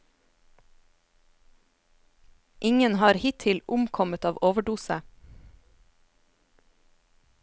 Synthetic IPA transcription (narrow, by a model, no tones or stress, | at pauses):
ʔɪŋənhɑːɾhɪt̪ʰɪlʔʊmkʰɔmət̪ɑːʋoːʋəɖuːsə